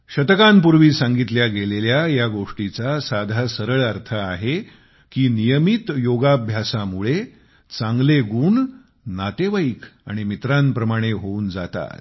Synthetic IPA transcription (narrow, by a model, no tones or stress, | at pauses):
ɕət̪əkãmpuɾʋiːsãŋɡit̪ljaɡeleljajaɡoʂʈit͡sasad̪ʱasəɾəɭəɾt̪ʰəaɦe | kiːnijəmit̪joɡabʱjasamuɭe | t͡sãŋɡleɡuːɳ | nat̪eʋaika̰ɽ̃imit̪ɾampɾəmaɽ̃eɦouːnd͡zat̪a̰t̪